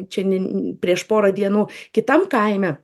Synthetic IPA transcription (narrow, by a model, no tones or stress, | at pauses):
t͡ʃʲɛnʲɛpʲɾʲiɛʃpoːɾɐd̪ʲiɛnuːkʲɪt̪ɐmkɐɪmʲɛ